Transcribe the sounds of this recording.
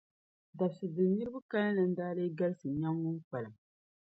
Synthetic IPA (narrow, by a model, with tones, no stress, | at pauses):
da˨bsɨ˨dɨ˨ni˦ɾɨ˦ba˦ka˦lɨ˦nɨ˨n̩˦daː˦lɨ˦ɡa˦lɨ˦sɨ˨ɲa˦ŋɡʊ˦ŋ˦k͡pa˨lɨ˨m